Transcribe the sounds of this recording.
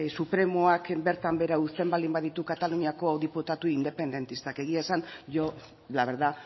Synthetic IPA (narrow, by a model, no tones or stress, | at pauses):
supɾe̞mo̞akbe̞ɾt̪ambe̞ɾaust̪embald̪imbaðit̪ukat̪aluɲiako̞awðiput̪at̪uind̪e̞pe̞nd̪e̞nt̪ist̪ake̞ɣiasanʝo | laβeɾða